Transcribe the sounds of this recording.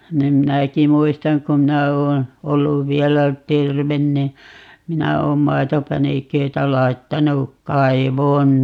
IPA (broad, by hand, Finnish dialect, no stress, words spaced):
nim minæki muistɑŋ ku mĭnæ oːn olːuʋ ʋiɛlæ terʋen ni minæ oːm mɑi̯topænikøitæ lɑi̯tːɑnu kɑiʋoːn